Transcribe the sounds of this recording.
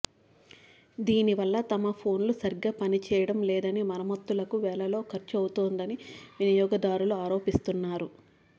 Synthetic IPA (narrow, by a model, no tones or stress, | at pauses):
d̪iːniʋɐlːɐt̪ɐmɐpʰo̞ːnlusɐɾiɡːɐpɐnit͡ʃɛːjɐɽɐmlɛːd̪ɐnimɐnɐmɐt̪ːulɐkuʋɛːlɐlo̞ːkʰɐɾt͡ʃɐwut̪oːnd̪ɐniʋinijɔːɡɐd̪aːɾuluaːɾo̞ːpist̪unːaːɾu